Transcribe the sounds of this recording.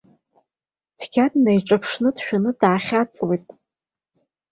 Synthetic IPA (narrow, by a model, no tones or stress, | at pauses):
tʰkʲʰatʼnajʈ͡ʂʼapʰʂnɨdʃᶣanɨdaːχʲat͡sʼwejtʼ